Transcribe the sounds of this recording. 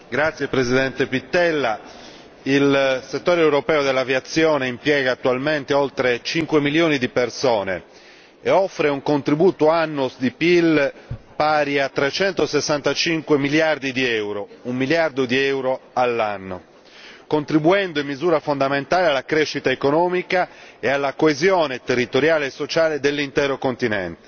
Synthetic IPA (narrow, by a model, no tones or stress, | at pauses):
ɡɾat̪sːjepɾezid̪ɛnt̪epit̪ːɛlːa | ilset̪ːoːɾeɛwɾopɛːod̪elːavjat̪sːjɔːneimpjɛːɣaːt̪ːualment̪eolt̪ɾet͡ʃiŋkwemiljoːnid̪ipersɔːnḛ | ɛɔfːɾeuŋkont̪ɾibuːt̪oanːosd̪ipilpaːɾiat̪ːɾet͡ʃɛnt̪osesːant̪at͡ʃiŋkwemiljard̪id̪iɛwɾoumːiljard̪od̪iɛwɾoalːanːo̰ | kont̪ɾibuɛnd̪oimːizuːɾafond̪ament̪aːlealːakɾeʃːit̪aekonɔːmikaealːakoezjoːnet̪erːit̪oɾjaːleːsːot͡ʃaːled̪elːint̪ɛːɾokont̪inɛ̰nt̪e̥